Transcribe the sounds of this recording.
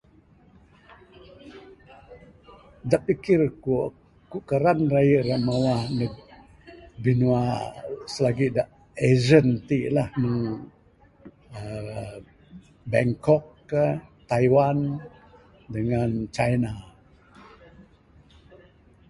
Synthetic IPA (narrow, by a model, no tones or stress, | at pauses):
daʔpikɪrku | kuʔkəɾanrajəʔɾaʔmawahnə | binuasəlaɡidaʔ | ezənt̪ilahnu | ə | bɛŋkɔk̚ːət̪ajwan | dəŋant͡ʃajna